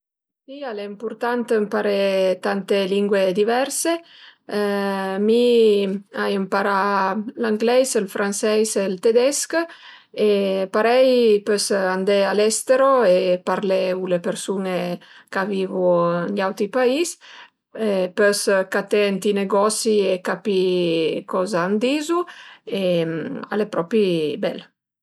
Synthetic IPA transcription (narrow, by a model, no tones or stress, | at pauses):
sialeimpuɾt̪ant̪mpaɾet̪ant̪eliŋɡwed̪ivɛɾse | mi | ajəmpaɾalaŋɡlɛjselfɾansɛjselt̪ed̪ɛsk | epaɾɛjpøsand̪ealɛst̪eɾoepaɾleulepeɾsunekavivunʎawt̪ɾipais | epøskat̪eant̪ineɡɔsiekapikɔzaːnd̪izuea̰lepɾɔpibɛ̰l